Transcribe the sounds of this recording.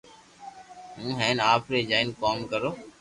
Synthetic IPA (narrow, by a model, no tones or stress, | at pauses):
ɦũːɦɛ̃ːnaːpɾed͡ʒaːɪnkɔːmkəɾoː